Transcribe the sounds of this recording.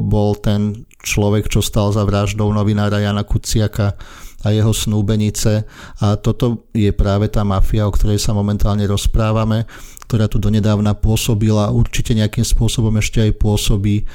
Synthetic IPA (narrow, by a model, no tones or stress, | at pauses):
bɔlt̪ɛn | t͡ʃlɔʋɛkt͡ʃɔst̪alzaʋɾaʒd̪ɔʊnɔʋinaːɾajaːnakut͡sɪakaajɛɦɔsnuːbɛɲit͡sɛat̪ɔt̪ɔjɛpɾaːʋɛt̪aːmafiaɔkt̪ɔɾɛjsamɔmɛnt̪aːlɲɛɾɔspɾaːʋamɛk̚t̪ɔɾaːt̪ud̪ɔɲɛd̪aːʊnapʊɔsɔbilauɾt͡ʃicɛɲɛakiːmspʊɔsɔbɔmɛʃcɛajpʊɔsɔbiː